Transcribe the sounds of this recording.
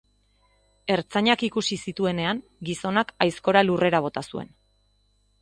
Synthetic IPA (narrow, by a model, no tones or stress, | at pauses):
e̞ɾt͡saɲakikusisit̪ue̞ne̞aŋ | ɡiso̞nakajsko̞ɾalure̞ɾaβ̞o̞t̪asue̞̰n